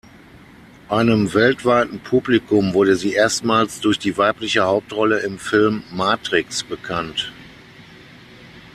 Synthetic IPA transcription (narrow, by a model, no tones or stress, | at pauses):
ʔaɪnəmvɛltv̥aɪtn̩pʰuːblikʊmvʊɐdəziːʔeːɐstmaːlsd̥ʊɐçd̥iːvaɪplɪçəhaʊp̚tʁɔləɪmfɪlmːaːtʁ̥ɪksb̥əkʰant